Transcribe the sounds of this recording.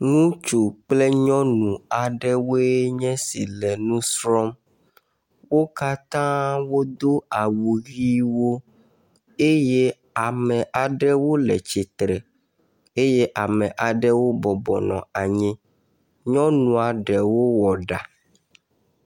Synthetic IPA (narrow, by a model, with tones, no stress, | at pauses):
ŋũ˦t͡ʃu˨k͡ple˦ɲɔ̃˦nũ˨a˨ɖɛ˦wo˦e˦ɲɛ̃˦si˨lɛ˨nũ˦sɾɔ˦m | wo˦ka˦t̪ã˦wo˦d̪o˦a˨wu˨ɣi˦wo˦ | e˦je˦ | a˨mɛ̃˨ʔa˨ɖɛ˦wo˦lɛ˨t͡ʃi˨t̪ɾɛ˨ | e˦je˦ʔa˨mɛ̃˨ʔa˨ɖɛ˦wo˦bɔ˨bɔ˨nɔ̰̃˨a˨ɲɛ̃˦ | ɲɔ̃˦nũ˨a˨ɖɛ˨wo˦wɔ˨ɖa˨